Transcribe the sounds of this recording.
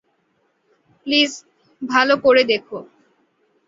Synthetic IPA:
pliz | bʱalokoɾed̪ekʰo

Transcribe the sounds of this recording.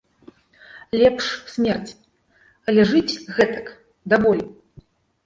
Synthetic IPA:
lʲɛpʂsʲmʲɛrt͡sʲ | ɐlʲɛʐɨt͡sʲɣɛt̪ɐ̥k | d̪avɔlʲi

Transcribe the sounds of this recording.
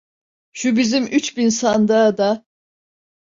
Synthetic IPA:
ʃubizimʔyt͡ʃbinsand̪ad̪a

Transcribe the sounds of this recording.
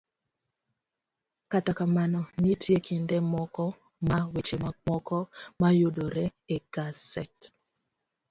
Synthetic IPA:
katakamanɔnitʰjekʰindɛmɔkɔ | mawet͡ʃemamɔkɔmajodoɾɛeɡ̥asɛt

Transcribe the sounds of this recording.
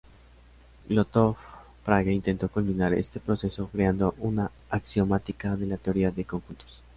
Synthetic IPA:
lot̪of | pɾaɣaint̪e̞nt̪o̞kumminaɾe̞̰st̪e̞pɾo̞se̞so̞kɾeand̪o̞ʔunaː | ksjo̞mat̪ikaðe̞lat̪e̞o̞ɾiaðe̞koŋxunt̪o̥s

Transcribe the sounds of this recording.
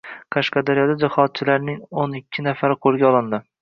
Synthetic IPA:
qʰɑʃqɑd̪aɾjɒd̪ad͡ʒahɒt̪̚t͡ʃʰɪlaɾnɪŋonɪkʲʰːɪnafaɾɪqʰolˠɡʲaɒlˠɪnd̪ɪ

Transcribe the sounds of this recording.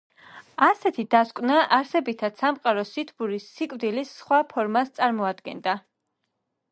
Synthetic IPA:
asɛt̪ʰid̪askʼnaʔaɾsɛbit̪ʰad̪̥samqʼaɾɔsit̪ʰbuɾisːikʼvd̪ilisχwapʰɔɾmast̪sʼaɾmɔad̪ɡɛ̰nd̪a

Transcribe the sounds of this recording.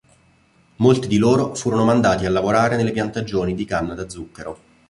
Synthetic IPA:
molt̪id̪iloːɾofuːɾonomand̪aːt̪ialːavoɾaːɾenelːepjant̪ad͡ʒːoːnid̪ikanːad̪ad̪zːukːeɾo

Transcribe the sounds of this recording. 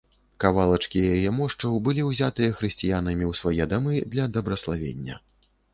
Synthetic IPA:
kavalˠɐt͡ʂkʲijajɛmɔʂt͡ʂɐwbɨlʲiwzʲat̪ɨjɐxɾɨsʲt͡sʲijan̪ɐmʲiwsvajɛd̪amɨd̪lʲɐd̪ɐbɾɐslˠavʲḛnʲːɐ̰

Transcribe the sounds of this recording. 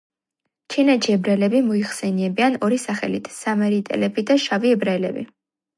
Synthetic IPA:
t͡ʃʰinɛt͡ʃʰiɛbɾalɛbimɔiχsɛniɛbianɔɾisaχɛ̰lḭt̪ʰsamɛɾit̪ʼɛ̰lɛbid̪aʃaviɛbɾalɛ̰bḭ

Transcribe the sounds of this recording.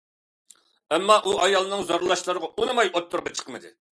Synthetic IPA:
ɛmːɑʔuɑjɑlˠɨnɨŋzoɾlˠɑʃlˠɨɾəʁɑunɨmɑjot̪ʰːʊɾʁɑt͡ʃʰə̥qʰəmɨd̪ɨ̰

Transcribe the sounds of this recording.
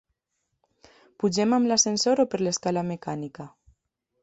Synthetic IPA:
puʒemamlasensoɾopəɾleskalamekanika

